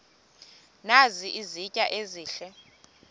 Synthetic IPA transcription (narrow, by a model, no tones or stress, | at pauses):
naziʔizicʼaʔeziːɬɛ